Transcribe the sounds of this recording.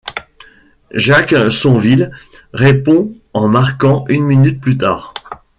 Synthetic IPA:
ʒaksɔ̃vil | ʁepɔ̃ | ɑ̃maʁkɑ̃ʔynminyt̪̚plyt̪a̰ːʁ

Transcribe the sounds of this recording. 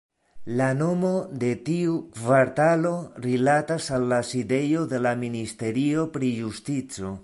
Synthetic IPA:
lano̞mo̞de̞tiukvaɾtalo̞ɾilatasalːaside̞jo̞d̪e̞laministe̞ɾio̞pɾijustit͡so̞

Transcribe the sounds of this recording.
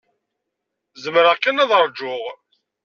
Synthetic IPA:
zəmɾakːænæðəɾˤd͡ʒʊʁ

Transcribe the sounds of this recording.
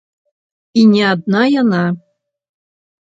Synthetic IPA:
inʲiad̪̚najana

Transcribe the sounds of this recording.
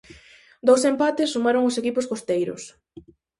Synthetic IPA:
d̪owsempat̪ɪsːumaɾoŋʊsekipʊskost̪ejɾʊ̰s

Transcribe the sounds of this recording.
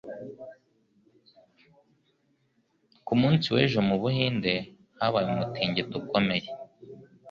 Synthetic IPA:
kumuːnsiwe̞ːʒomuβuhiːnde̞ | haβajumutʰiːɲɟetuko̞me̞je

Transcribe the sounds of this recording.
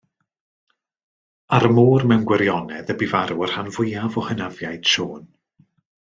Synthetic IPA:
aɾəmuːrmɛwnɡwɛɾjɔnɛðəbivaɾuər̥hanvʊjavɔhənavjajd̥ʃoːn

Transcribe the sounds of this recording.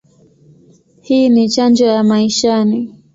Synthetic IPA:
hiːnit͡ʃand͡ʒɔjamaiʃani

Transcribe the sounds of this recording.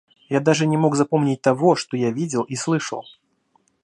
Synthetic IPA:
jad̪aʐɨnʲɛmɔɡzapɔmnʲit͡sʲt̪aɣɔʂt̪ɔjavʲid͡zʲɛlˠʔislˠɨʂɐ̰lˠ

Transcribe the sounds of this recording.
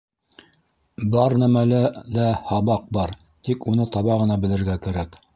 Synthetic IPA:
bɑɾnæmælælæhɑβɑq̚bɑɾ | t̪ikunɤt̪ɑβɑʁɤ̆nɑbɘ̆lɘ̆ɾɡækæɾæk

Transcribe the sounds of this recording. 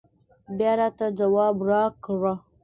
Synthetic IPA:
bjaɾat̪ad͡ʒawaːbɾakəɾa

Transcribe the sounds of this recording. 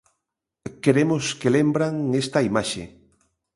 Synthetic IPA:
keɾemoskelembɾaŋest̪ɐimaʃḛ

